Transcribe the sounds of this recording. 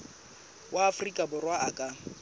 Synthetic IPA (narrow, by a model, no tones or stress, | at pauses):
waːfrikʼabʊrwaʔakʼa